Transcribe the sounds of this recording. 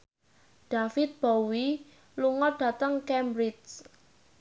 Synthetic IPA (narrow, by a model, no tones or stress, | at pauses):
ɖ̥afɪt̪̚b̥owi | luŋɔɖ̥ä̤t̪əŋkɛmbɾit͡ʃ